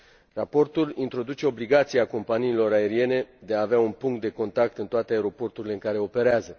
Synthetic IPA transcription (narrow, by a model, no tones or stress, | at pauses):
rapo̞rt̪ulint̪ɾo̞d̪ut͡ʃe̞o̞bliɡat̪siako̞mpaniːlo̞ɾae̞ɾie̞ne̞d̪e̞aːveaunpuŋkt̪̚d̪e̞ko̞nt̪ak̚t̪ɨnt̪oat̪eaeɾo̞po̞rt̪uɾile̞ɨŋkaɾe̞o̞pe̞ɾeazə